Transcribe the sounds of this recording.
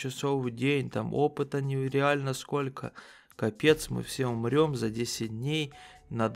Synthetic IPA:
t͡ʃɪsovɨjdʲenʲt̪amo̞pɨt̪ənʲɪɾʲɪalʲnəsko̞lʲkʰə̰ | kɐpʲe̞t̪smɨ̰fsʲeʊmɾʲo̞mzɐdʲesʲɪt̚ʲdʲnʲejnɐd̪

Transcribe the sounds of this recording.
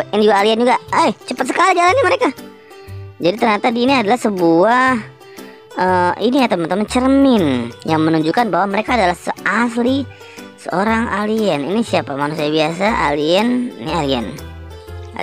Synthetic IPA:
inid͡ʒuɡaːliɛnd͡ʒuɡaəht͡ʃəpət̪səkalid͡ʒalanɲaməɾeka | d͡ʒadit̪ərɲat̪adiːniadalahsəbuah | əiniat̪əmant̪əmat͡ʃərmɪnjaŋmənuɲd͡ʒukanbaɦwaməɾekaːdalahsəʔasli | sə̰oɾaŋaliɛninisiapamanusiabiasaʔa̰liɛninialiɛ̰n̰

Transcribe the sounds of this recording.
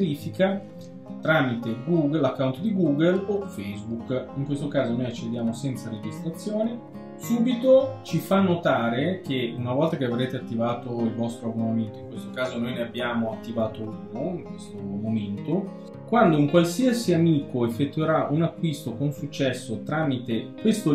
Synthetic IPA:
ɾiːfika | t̪ɾaːmit̪eɡuɡlakːaunt̪od̪iɡuːɡelofɛjzbukiŋkwest̪okaːzonojat͡ʃːed̪jaːmosɛnt̪saɾed͡ʒist̪ɾat̪sːjoːni | suːbit̪ot͡ʃifanːot̪aːɾekʰeunavɔlt̪akeavɾeːt̪eat̪ːivaːt̪oilvɔst̪ɾoabonament̪oiŋkwest̪okaːzonojneabːjaːmoat̪ːivaːt̪ouːnoiŋkwest̪omoment̪o | kwand̪ouŋkwalsiasiamiːkoefːet̪ːueɾaʔunakːwist̪okonsut͡ʃːɛsːot̪ɾaːmit̪ekwest̪o

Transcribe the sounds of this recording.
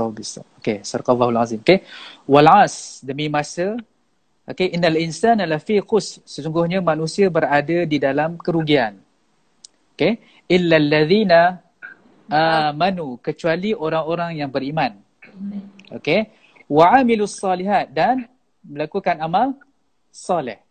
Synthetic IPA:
abisa̰okesarkalːahulʕazimokewalʕasdəmimasə | ʔokeʔinːalinsanalafiqʊssəsuŋɡʊhɲamanũsiabəradadidalamkəɾuɡian | oke | ʔɪlːalːaðiːna | ʔamanukət͡ʃualiʔoɾaŋoɾaŋjaŋbəɾimãn | ʔo̰ke | waʕamiluasˤːɑliɦat̪̚dan | məlakukanamal | sˤɑlɪ̰h

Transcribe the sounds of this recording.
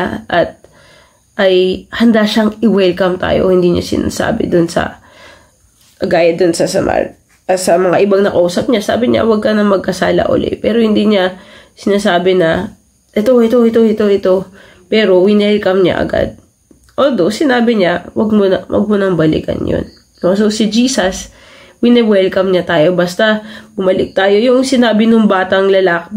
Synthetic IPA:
ʔɐt̪̚ | ʔɐjhɐnd̪aʃɐŋɪwɛlkɐmt̪a̰ːjo̰hɪnd̪iɲa̰sɪ̰na̰ːsa̰ːbɪ̰d̪ʊnsɐ̰ | ɡaːjɐd̪ʊnsɐsɐma̰ | sɐmɐŋaʔɪbaŋnɐkɐʔuːsɐp̚ɲasa̰ːbɪɲa̰wɐɡ̚kɐnɐŋmɐɡ̚kɐsaːlɐ̰ʔo̰lɛ̰pɛːɾo̞hɪnd̪iːɲasɪnaːsaːbɪnɐ | ʔɛt̪o̞ʔɛt̪o̞ʔɛt̪o̞ʔɛt̪oʔɛt̪o̞ | pɛːɾo̞wɪnɛlkɐmɲa̰ʔɐ̰ɡa̰d̪̚ | ʔoːd̪osɪnaːbɪɲawɐɡ̚monɐwʔɐ̰ɡ̚monɐŋbɐlɪ̰kɐ̰njo̰nː | ososɪd͡ʒiːsɐs | wɪnɛwɛlkɐmɲat̪aːjo̞bɐst̪ɐbʊmɐlɪk̚t̪aːjo̞jʊŋsɪnaːbɪnʊŋbaːt̪ɐŋlɐlaːk

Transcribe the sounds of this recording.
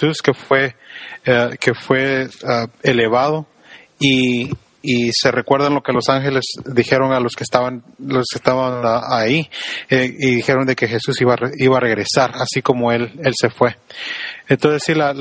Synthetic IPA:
suskefwe̞ake̞fwe̞aele̞βað̞o̞ | iː | se̞re̞kwe̞ɾðanlo̞ke̞lo̞saŋxe̞le̞sðixe̞ɾo̞nalo̞skest̪aβanloskest̪aβanaaieiðixe̞ɾo̞nd̪e̞ke̞xe̞susiβaeiβaːre̞ɣɾe̞saɾasiko̞mo̞e̞le̞lse̞fwe̞ | ent̪o̞nse̞sːila

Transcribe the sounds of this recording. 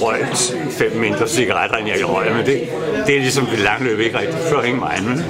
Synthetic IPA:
ʁɒɪ̰̥ | fem̰me̝nd̥ʁɐsiɡ̥ɑʁad̥ɐenjɑʁɒɪ̰mend̥e | d̥e̝æɐlisɒ̽md̥e̝lɑ̈ŋlø̰ːb̥əe̝ɡ̥ʁɛɡ̥̚d̥ifɶɐ̰heŋ̰mɑ̈ɪnme

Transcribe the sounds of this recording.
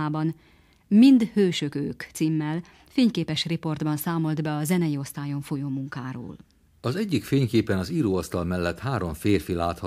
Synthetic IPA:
aːbɒn | mind̪høːʃøkø̰ːkt̪siːmːɛl | feːɲkeːpɛʃripo̞rd̪bɒnsaːmo̞ld̪bɛɒzɛnɛjio̞st̪aːjo̞ɱfojoːmuŋkaːɾo̰ːl | ɒzɛɟːikfeːɲkeːpɛnɒziːɾoːɒst̪ɒlmɛlːɛt̪haːɾo̞ɱfeːrfilaːt̪hɒ

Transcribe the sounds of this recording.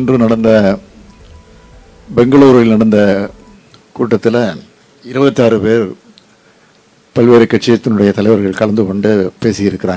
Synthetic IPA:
ndrɯnɐɽɐnd̪ɐ | bɛŋɡɐɭoːɾɐɭɪlnɐɽɐnd̪ɐ | kuːʈːɐt̪ːɪlɐ | ɪɾɯbɐt̪ːaːɾɯpeːɾ | pɐlʋeːɾɐkːɐʈt͡ʃːɪjɐt̪ːɪnɯɽɐjɐt̪ɐlɐɪʋɐɾɣɐɭkɐɭɐnd̪ɯkɔɳɖɯpeːsɪjɪɾɯkːɪɾaːŋɡɐ

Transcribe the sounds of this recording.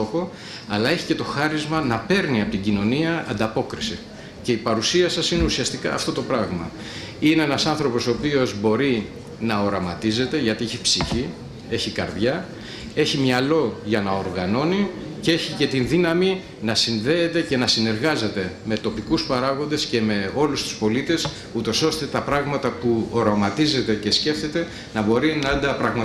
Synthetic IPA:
o̞xo̞ | ɐlɐe̞çice̞t̪o̞xɐɾizmɐnɐpe̞ɾniɐpot̪iɟino̞niɐːnd̪ɐpo̞kɾisi | ce̞ipɐɾusiɐsɐsineusiɐst̪ikɐ̰ːft̪o̞t̪o̞pɾɐɣmɐ̰ | ineenɐsɐnθɾo̞po̞so̞ːpio̞zbo̞ɾi | nɐo̞ɾɐmɐt̪ize̞t̪e̞ʝɐt̪ieçipsiçi | e̞çikɐɾðʝɐ | e̞çimɲɐlo̞ʝɐnɐo̞ɾɣɐno̞ni | cee̞çice̞t̪inðinɐmi | nɐsinðe̞ːt̪e̞ce̞nɐsine̞ɾɣɐze̞t̪e̞me̞t̪o̞pikuspɐɾɐɣo̞nd̪e̞sce̞me̞o̞lust̪u̥spo̞lit̪e̞s | ut̪o̞so̞st̪e̞t̪ɐpɾɐɣmɐt̪ɐpuo̞ɾɐmɐt̪ize̞t̪e̞ce̞sce̞fθe̞t̪e̞ | nɐbo̞ɾinɐɐnd̪ɐpɾɐɣmɐ

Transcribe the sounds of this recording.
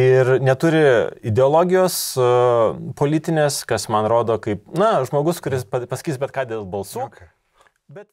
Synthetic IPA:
ɪrnʲɛt̪ʊɾʲɪɪd̪ʲɛoːlˠoːɡʲɪjoːs | poːlʲiːt̪ʲɪnʲeːskɐsmɐnɾoːd̪oːkɐɪpnɐʒmoːɡʊskʊɾʲɪspɐpɐsɐ̥kʲiːsbʲɛt̪kɑːd̪ʲeːlˠbɐlˠsuː | bʲɛt̪

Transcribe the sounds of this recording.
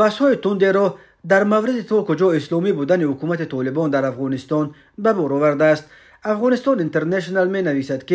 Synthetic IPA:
bashɔit̪und̪eɾɔ | d̪aɾmavɾid̪it̪ʰɔkud͡ʒɔislɔmibud̪anihukumat̪it̪ʰɔlibɔnd̪aɾafʁɔnist̪ɔn | babɔɾɔvaɾd̪aːst̪ | afʁɔnist̪ɔnint̪e̞ɾneʃ̬nalme̞navisad̪ki

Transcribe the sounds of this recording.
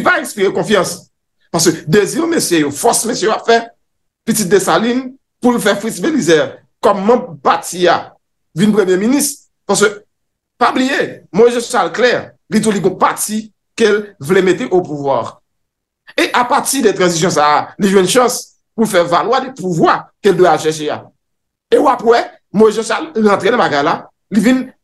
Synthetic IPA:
lipaɛ̃spiʁekɔ̃fjɑ̃s | paʁs̬kød̪eziʁmesjejofɔsmesjøapfɛ | pitit̪̚d̪esalin | pulfɛfʁitsbelizɛʁ | kɔmːãbpatia | vinpʁemjeminist̪ | paʁskø | pablijemɔ̃ʒẽsu̥salklɛʁ | lit̪̬uliɡɔ̃pati | kelvlemet̪eʔopuvwa̰ʁ | eʔapaʁt̪idɛt̪ʁɑ̃zis̬jɔ̃s̬aliʒwɛ̃nʃɑ̃s | pulfɛvalwadɛpuvwakeld̪wɛalʃɛʃ̬ea̰ | euapwɛ | moiʒɑ̃salɑ̃t̪ʁenãbaɡajla | livin

